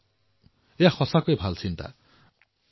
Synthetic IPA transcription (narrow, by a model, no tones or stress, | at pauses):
jaxʰʌsakojbʱalt͡sʰint̪a̰